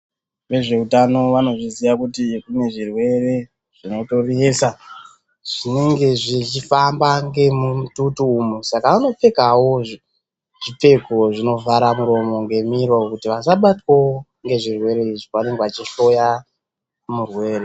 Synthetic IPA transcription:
ʋe̞ʐe̞utano̞ʋano̞ʐiziʋakutikune̞ʐirwe̞re̞ | ʐ̥ino̞toriesa | ʐ̥ine̞ŋɡe̞ʐit͡ʃifambaŋɡe̞mumututuːmusakaano̞p͡fe̞kawo̞ | ʐipe̞koʐino̞vaɾamuɾo̞mo̞ŋɡe̞mirwokutiʋasaɓatwo | ŋɡe̞ʐirwe̞ɾe̞iʐikane̞ŋɡeʋat͡ʃiɬo̞ja | murwe̞ːɾe̞

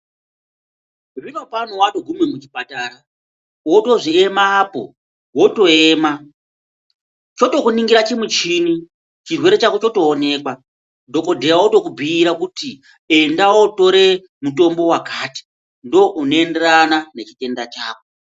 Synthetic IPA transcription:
rino̞panowatoɡʱumemut͡ʃipataːɾa | wo̞to̞ʐie̞maːpo̞̰ | wo̞to̞eːma | t͡ʃo̞to̞kuniŋɡiɾat͡ʃimwut͡ʃiːni | t͡ʃirwe̞ɾe̞t͡ʃakot͡ʃo̞to̞ːne̞kwa | do̞ko̞dʱejawoto̞kubʱiːɾakuti | e̞ndawoto̞ɾe̞ | muto̞mbo̞wakaːti̥ | ndo̞ʔunoende̞ranane̞t͡ʃite̞ndat͡ʃaːko

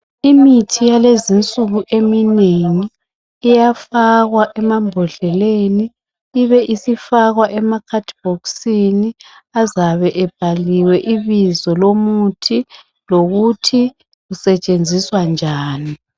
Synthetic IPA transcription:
imitʰijalezint͡sʼuɣuʔemineŋiː | jafaɣwaʔɛmambʱɔɮɛleniː | βɛʔisifaɣwaʔɛmakʰatʰʼb̥ɔksini | azaβɛʔɛb̥̚ʱaliwɛʔiβizɔlomutʰi | loɣutʰi | ɣusɛt͡ʃʼend͡zʱiswand͡ʒʱaːni

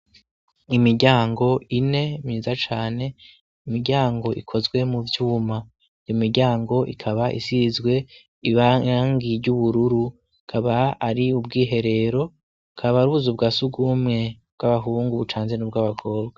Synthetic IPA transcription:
imiɾɟaːŋɡo̞ine̞mɲiːzat͡ʃaːne̞ | imiɾɟaːŋɡo̞ʔikʰo̞zɡwe̞muvjuːma | jomiɾɟaːŋɡo̞ʔḭkʰaβaʔḭsizɡwe̞ | iβaŋɡiɾɟuβuɾuɾu | kʰaβaaɾiub̚ɡiːɦe̞ɾe̞ɾo̞ | kʰaβaɾuβuzub̚ɡaːsuɡuːmŋe̞b̥̚ɡ̥aβaɦuːŋɡuβut͡ʃaːnzenub̚ɡaβakʰo̞ːb̚ɡa

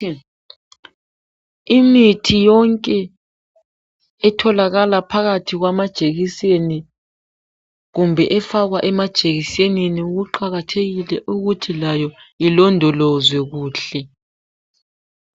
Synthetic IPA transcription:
imitʰijɔŋkʼɛ | tʰɔlaɣalapʰaɣatʰiɣwamad̥ʒ̥ʱeɣiseni | ɣumbʱɛʔɛfaɣwaʔɛmad̥ʒ̥ʱeɣiseniniuɣuǃaɣatʰeɣilɛʔuɣutʰilajɔilɔndʱɔlɔzwɛɣuːɬɛ

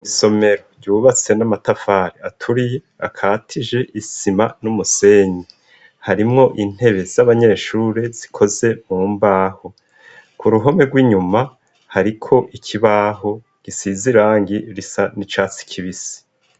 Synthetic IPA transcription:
iso̞me̞ɾoɾɟuːβat͡se̞namatafaːɾiatʰuɾije̞ | akʰaːtʰiʒe̞ʔisimanumuse̞ɲi | haɾimŋo̞ʔin̥he̞βe̞z̥aβaɲe̞ːʃuːɾe̞z̥i̥kʰo̞ze̞muːmbaːho̞ | kuɾuɦo̞me̞ɡwiːɲuma | haɾikʰo̞ʔikʰiβaːɦo̞ | ɡ̥isiziɾaːŋɡiɾisanit͡ʃaːt͡si̥kʰiβisi̥

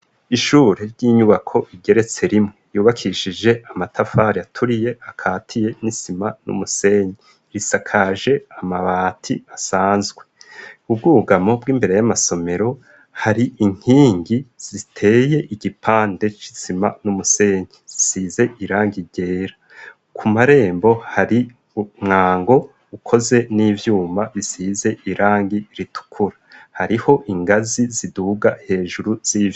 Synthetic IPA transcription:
iʃuːɾe̞ɾɟiːɲuβakʰo̞ʔiɡe̞ɾe̞t͡se̞ɾimŋejuːβakʰiʃid͡ʒe̞ʔamatʰafaɾiatʰuɾije̞akʰaːtʰije̞nisimanṵmuse̞ɲi | ɾisakʰaʒe̞amaβaːtʰḭasaːnzɡwe̞ub̚ɡuːɡamo̞bɡiːmbe̞ɾejamaso̞me̞ɾo̞ | haɾiʔiŋ̥hiːŋɡiz̥itʰe̞ːje̞ʔiɟipʰaːnde̞t͡ʃi̥zima̰numuse̞ːɲiz̥isiːze̞ʔiɾaːŋɡiɟe̞ːɾa | kʰumaɾe̞ːmbo̞haɾi | umŋaːŋɡo̞ | ukʰo̞ze̞niːvjuːmbaβisize̞ʔiɾaːŋɡiɾitʰu̥kʰuɾahaɾiho̞ʔiŋɡaziziduɡahe̞ːʒuɾuz̥iːvj

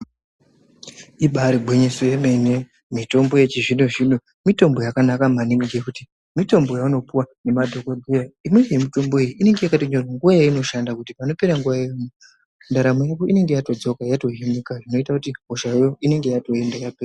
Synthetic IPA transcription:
iɓaɾibʱwiɲeso̞jeme̞ne | mito̞mbo̞je̞t͡ʃiʐinuʐin̤u | mito̞mbo̞jakanakamaniŋiɡekuti | mito̞mbo̞jauno̞puwane̞madʱo̞kod͡zejaimwe̞emito̞mbo̞ijiʔine̞ŋɡejakatoɲorwaŋɡuʋajaino̞ʃandakutipano̞pe̞ɾaŋɡuʋaeamo | ndaɾamojakoʔine̞ŋɡe̞jato̞d͡zo̞kajato̞ɦenikaʐino̞itakutiɦoʃajoine̞ŋɡe̞jato̞endajapea

